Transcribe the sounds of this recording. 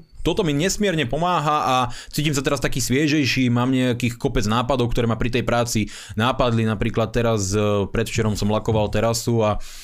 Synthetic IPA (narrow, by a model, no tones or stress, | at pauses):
t̪ɔt̪ɔmiɲɛsmɪɛɾɲɛpɔmaːɦaʔat͡siːcimsat̪ɛɾast̪akiːsʋɪɛʒɛjʃiːmaːmɲɛakiːxkɔpɛd͡znaːpad̪ɔʊkt̪ɔɾɛːmapɾit̪ɛjpɾaːt͡si | naːpad̪linapɾiːklat̪̚ːɛɾaspɾɛt̪ft͡ʃɛɾɔmsɔmlakɔʋalt̪ɛɾasua